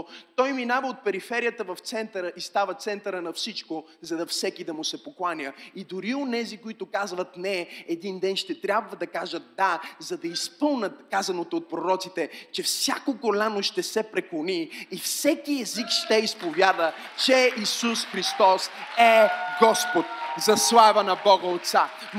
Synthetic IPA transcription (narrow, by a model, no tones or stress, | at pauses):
t̪ɔjminavəot̪̚pɛɾifɛɾijət̪əvɐft̪sɛnt̪əɾəʔist̪avət̪sɛnt̪əɾənɐfsit͡ʃko | zɐd̪ɐfsɛkid̪ɐmʊsɛpoklˠanʲəid̪ʊɾionɛzikoit̪ʊkazvət̪nɛɛd̪ind̪ɛnʃt̪ɛt̪ɾʲabvəd̪ɐkaʒət̪̚d̪azɐd̪ɐispɤlˠnʲət̪kazɐnot̪oːt̪̚pɾoɾɔt̪sit̪ɛt͡ʃɛfsʲjakokolʲanʊʃt̪ɛsɛpɾɛklˠoniːfsɛkiɛzikʃt̪ɛispovʲjad̪ət͡ʃɛisusxɾist̪ɔsɛɡɔspot̪̚zɐslˠavənɐbɔɡəot̪t̪sa